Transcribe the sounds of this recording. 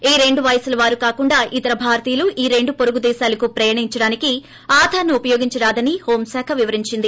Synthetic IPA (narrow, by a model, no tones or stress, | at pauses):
iːɾe̞ɳɖuʋɐjɐsulɐʋaːɾukaːkuɳɖaːʔit̪ɐɾɐbʱaːɾt̪iːluʔiːɾe̞ɳɖupoɾuɡud̪ɛːʃaːlɐkupɾɐjaːɳiɲt͡ʃɐɽaːniki | aːd̪ʱaːnuːpɐjo̞ːɡiɲt͡ʃɐɾaːd̪ɐniho̞ːmsaːkʰɐʋiʋɐɾiɲt͡ʃind̪i